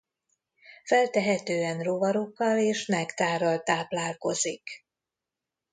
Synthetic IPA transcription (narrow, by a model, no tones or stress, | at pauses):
fɛlt̪ɛɦɛt̪øːɛnrovɒɾokːɒleːʃmɛkt̪aːɾɒlt̪aːplaːlko̞zik